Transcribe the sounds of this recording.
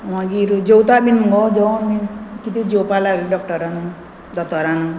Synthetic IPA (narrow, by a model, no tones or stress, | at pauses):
wãɡiɾud͡ʒɔwt̪abinɡɔd͡ʒɔmĩkit̪ud͡ʒowpalaɡiɖɔk̚ʈɔɾanu | d̪ɔt̪ɔɾanu